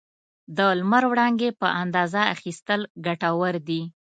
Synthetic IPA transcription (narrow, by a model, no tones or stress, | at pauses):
d̪əlmaɾwɽɑŋɡepəʔand̪ɑzaa̰xist̪əlɡaʈawəɾd̪i